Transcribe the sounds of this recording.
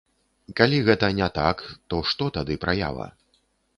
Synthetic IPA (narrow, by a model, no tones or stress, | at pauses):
kalʲiɣɛt̪ɐnʲɛt̪akt̪ɔʂt̪ɔt̪ad̪ɨpɾaja̰vɐ̰